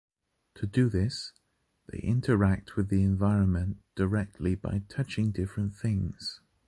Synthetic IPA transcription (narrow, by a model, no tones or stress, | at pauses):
tʰədəðɪs | ðeɪʔɪ̰̃ntʰəɹak̚t̚ʰwɨðiɪ̃ɱvaɪɹə̃nmə̃nd̥əɹɛk̚tʰˡliba̰ɪtʰʌt͡ʃɪ̃ŋdɪfɹə̃nθɪ̃ŋz̥